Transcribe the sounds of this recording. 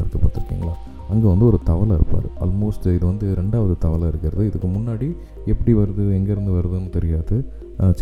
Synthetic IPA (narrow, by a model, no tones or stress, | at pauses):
ɪɾɯkːɐpːɐ̰ːt̪ːɪɾɯkːḭːŋɡɐɭaː | ɐŋɡeːʋɐnd̪ɯɔɾɯt̪ɐʋɐlaɪɾɯpːa̰ːɾɯ̰ʔɐ̰ːlmoːsʈɪðɯʋɐnd̪ɯɾɛɳɖaːʋɐðɯt̪ɐʋɐlaɪɾɯkːɪɾɐðɯɪðɯkːɯmʊnːaːɽi | ɛpːɐɽiʋɐɾɐðɯɛŋɡɛɾɐnd̪ɯʋɐɾɯðɯnːɯt̪ɛɾɪjaːðɯ | t͡ʃ